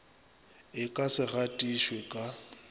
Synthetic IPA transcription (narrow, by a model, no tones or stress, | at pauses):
ɪkʼasɪɣatʼiʃwekʼa